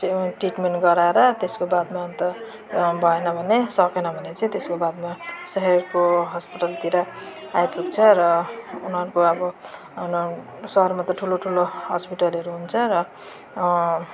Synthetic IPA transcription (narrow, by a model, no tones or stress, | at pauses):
t͡sʌʈiʈmenʈɡʌɾaeɾʌt̪eskobad̪mant̪ʌ | bʱʌenʌbʱʌnesʌkenʌbʱʌnet͡sʌĩt̪eskobad̪̚masʌɦerkoɦʌspiʈʌlt̪iɾa | ajpukt͡sʰʌɾʌunɦʌɾukoʌbʌ | sʌɦʌrmat̪ʌʈʰuloʈʰuloɦʌspiʈʌlɦʌɾuɦunt͡sʰʌɾʌ